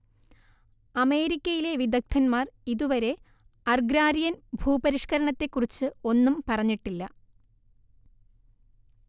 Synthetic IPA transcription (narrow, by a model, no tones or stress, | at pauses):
ɐme̞ːɾikʲːɐjile̞ʋid̪ɐk̚t̪ʰɐnmaːriðuʋɐɾe̞ | ɐrɡɾaːɾijɐnbʱuːbɐɾiʂkɐɾɐɳɐt̪ːe̞kːurit͡ɕːɨo̞nːumpɐrɐɲːiʈːilːɐ